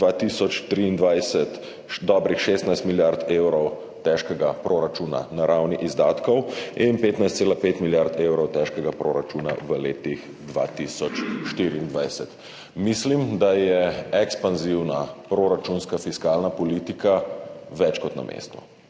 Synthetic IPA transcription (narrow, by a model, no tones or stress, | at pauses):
d̪ʋat̪isɔt͡ʃt̪ɾiːnd̪ʋajsɛt̪ | d̪ɔbɾixʃest̪najst̪miljaɾt̪ewɾɔw | t̪ɛʃkɛɡapɾoɾat͡ʃuna̰naɾawniʔizd̪aːt̪kɔwinpeːt̪najst̪seːlapet̪miljaɾt̪ewɾɔwt̪ɛʃkɛɡapɾoɾat͡ʃuna̰ʋəleːt̪ix | d̪ʋa̰ːt̪isɔt͡ʃʃt̪iɾiːnd̪ʋajsɛt̪ | mislimd̪ajɛɛkspanziwnapɾoɾat͡ʃunskafiskaːlnapɔliːt̪ikaʋɛt͡ʃkɔt̪na̰mʔḛːst̪ṵ